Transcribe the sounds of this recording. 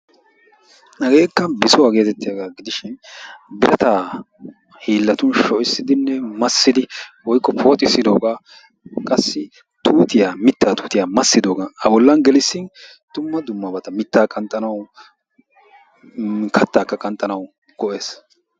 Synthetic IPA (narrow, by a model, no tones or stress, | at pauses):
nɐɡe̞ːkːɐbɪsʊwaːɡe̞ːt̪ɛt̪ːɪjɐɡaːɡɪd̪ɪʃɪnbɪɾʔɐt̪aː | hiːlːɐt̪ʊnʃɔʔɪsːɪd̪ɪnːɛmɐsːɪd̪ɪwɔjkːɔpʰoːt̪ʼɪsːɪd̪o̞ːɡaː | kʼɐsːɪ | t̪uːt̪ɪjaːmɪt̪ːaːt̪uːt̪ɪjaːmɐsːɪd̪o̞ːɡaɐbɔlːɐnɡɛlɪsːɪn | t̪ʊmːɐd̪ʊmːɐbɐt̪ɐmɪt̪ːaːkʼɐnt̪ʼːɐnɐw | kʰɐt̪ːaːkːɐkʼɐnt̪ʼːɐnɐw | ɡ̥ɔʔe̞ːs